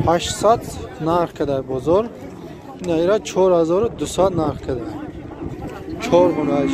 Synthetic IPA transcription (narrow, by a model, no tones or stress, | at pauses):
haʃsad̪naɾχkʰad̪aɾbɔzɔɾ | inaiɾat͡ʃʰɔɾhazɔɾud̪usad̪naɾχkʰad̪aɾ | t͡ʃʰɔɾmunad͡ʒ